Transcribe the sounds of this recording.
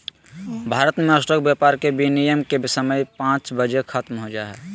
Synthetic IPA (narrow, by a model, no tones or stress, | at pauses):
bʱaːɾət̪meəsʈək̚bjaːpaːɾkebinijəmkebɪsəməjpãːt͡ʃbəd͡ʒekʰət̪mɦod͡ʒa̰ɦɛ̰ː